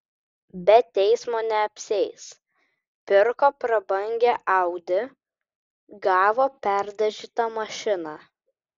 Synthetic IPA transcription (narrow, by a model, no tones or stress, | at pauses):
bʲɛt̪ʲɛɪsmoːnʲɛɐpʲsʲɛɪs | pʲɪɾkoːpɾɐbɐŋʲɡʲeʔɑʊd̪ʲɪ | ɡɑːʋoːpʲæɾd̪ɐʒʲiːt̪ɐmɐʃʲɪnɑː